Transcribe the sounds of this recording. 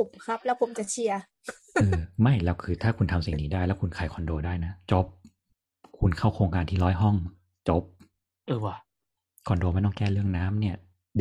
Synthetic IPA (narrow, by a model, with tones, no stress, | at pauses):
u˨˩kkʰa˦˥p̚lɛ˦˥wpʰo˨˩˦mt͡ɕa˨˩t͡ɕʰi˧ɐ | ɤː˧ma˥˩jlɛː˦˥wkʰɯː˧t̪ʰaː˥˩kʰu˧nt̪ʰa˧msi˨˩niː˦˥daː˥˩jlɛː˦˥wkʰu˧nkʰaː˨˩jkʰɔ˧ndoː˧daː˥˩jna˦˥t͡ɕo˦˥p̚ | kʰu˧nkʰa˥˩wkʰɾoː˧ŋkaː˧nt̪ʰiː˥˩lɔː˦˥jɦɔ˥˩ŋ | t͡ɕo˦˥p̚ | ʔɤː˧˩wa˧˩ | kʰɔ˧ndoː˧ma˧˥˩t̪ɔ˥˩ŋkɛː˥˩lɯ˥˩əŋnaː˦˥mni˥˩ɐ